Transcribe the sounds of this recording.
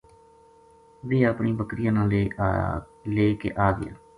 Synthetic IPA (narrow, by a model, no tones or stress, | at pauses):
ʋiːapɳiːbəkɾɪjãːnãːleː | leːkḛːʔaːɡɪ̰a̰ː